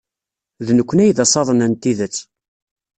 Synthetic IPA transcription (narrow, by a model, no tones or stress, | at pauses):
ðnəkʷːənæjðɑsˤɑðˤənænt̪ːiðət͡sː